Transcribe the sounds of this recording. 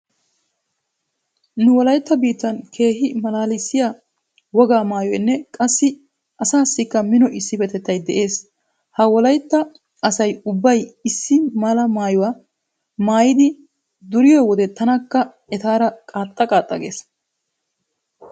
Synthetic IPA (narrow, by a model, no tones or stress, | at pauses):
nʊwɔlɐjt̪ːɐbiːt̪ːɐnkʰe̞ːhɪmɐlaːlɪsːɪja | wɔɡaːmaːjɔjnːɛkʼɐsːɪ | ʔɐsaːsːɪkːɐmɪnɔʔɪsːɪbɛt̪ɛt̪ːɐjd̪ɛʔe̞ːs | hɐwɔlɐjt̪ːɐː | sɐjʊbːɐjɪsːɪmaːlɐmaːjʊwa | maːjɪd̪ɪ | d̪ʊɾɪjɔwɔd̪ɛt̪ːɐnɐkːɐ | ɛt̪aːɾɐkʼaːt̪ʼːɐkʼaːt̪ʼːɐɡeːs